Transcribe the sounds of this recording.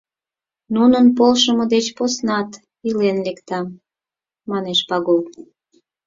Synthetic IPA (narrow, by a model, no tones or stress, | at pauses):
nunənpolʃəmɤ̆d̪et͡ɕposnɑt̪ | ilenlekt̪ɑm | mɑneʃpɑɣol